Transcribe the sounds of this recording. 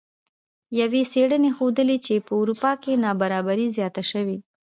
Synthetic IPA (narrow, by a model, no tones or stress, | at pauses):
jaweseɽənexod̪əlet͡ʃepəʊɾupɑkenɑbaɾɑbaɾizjɑt̪aʃəwi